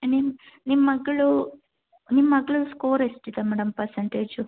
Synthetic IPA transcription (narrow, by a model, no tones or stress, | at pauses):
nimnimɐɡːɐɭu | nimːɐɡːɐɭuskoːɾesʈit̪ɐmɐɽɐmpɐɾsɐɳʈeːd͡ʑu